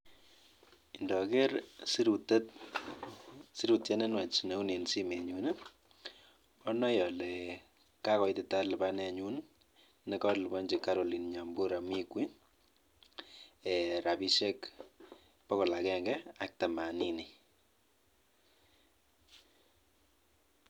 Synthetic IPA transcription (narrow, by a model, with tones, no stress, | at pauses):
indɔ˨ke˦ɾsɾutt | si˦ɾu˨tjɛ˦ne˦nwa˨t͡ʃne˦kuni˨nsi˦me˨ɲun | ɔ˦nɔ˦jɔ˨lɛ˨ | ka˦kɔ˨itɪ˨ta˦lba˦nɛ˨ɲu˦n | nɛ˦kɔ˦lbɔ˦ɲd͡ʒi˨ka˦ɾo˨li˨nɲa˨mbu˦ɾa˨mi˦kwi˦ | ɛ˨ɾa˨bi˦ʃe˦k | pɔ˦kɔ˨la˨kɛ˦ŋɡɛak̚ta˨ma˨nini˨